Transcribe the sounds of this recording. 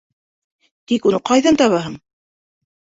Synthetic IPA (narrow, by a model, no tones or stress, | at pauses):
t̪ikunɤqɑjðɑnt̪ɑβɑɦɤɴ